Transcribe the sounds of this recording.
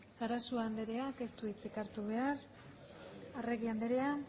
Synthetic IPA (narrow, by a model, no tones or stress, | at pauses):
saɾasuand̪e̞ɾe̞ake̞st̪uit͡sikaɾt̪uβ̞e̞ar | are̞ɣiand̪eɾe̞a